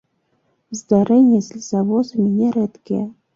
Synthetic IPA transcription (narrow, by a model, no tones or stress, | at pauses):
zd̪aɾɛnʲːɛsʲlʲizavɔsɐmʲinʲɛɾɛt̪kʲijɛ